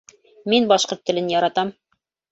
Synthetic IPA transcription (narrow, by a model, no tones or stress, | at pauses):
minbɑʃqoɾt̪ːɘ̆lɘnjɑɾɑt̪ɑm